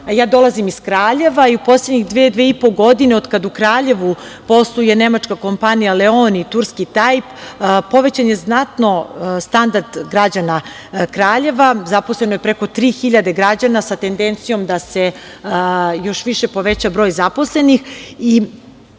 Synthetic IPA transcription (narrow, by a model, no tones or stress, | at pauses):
jaːd̪o̞lazimiskɾaːʎe̞ʋaiupo̞sled̪ɲiɣd̪ʋeːd̪ʋeːipoɡo̞d̪ineod̪kad̪ukɾaːʎe̞ʋupo̞slˠujene̞mat͡ʃkako̞mpanijaleonit̪uɾskit̪ajppo̞ʋet͡ɕanjeznat̪no̞st̪and̪aɾd̪ɡɾad͡ʑana | kɾaːʎe̞ʋazapo̞slˠenojepɾeko̞t̪ɾiːxiʎad̪e̞ɡɾad͡ʑanasat̪end̪ent̪sijo̞md̪ase̞ | jo̞ʃʋiʃe̞po̞ʋe̞t͡ɕabɾojzapo̞slˠe̞nixi